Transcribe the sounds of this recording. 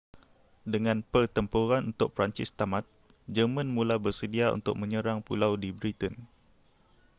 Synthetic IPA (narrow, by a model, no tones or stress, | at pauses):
dəŋãnpərt̪əmpuɾanunt̪ʊk̚pɾaɲt͡ʃɪst̪amãt̪̚ | d͡ʒəmə̃nmũlabərsədiaṵnt̪ʊ̰k̚mə̃ɲə̃ɾaŋpulawdibɾit̪ən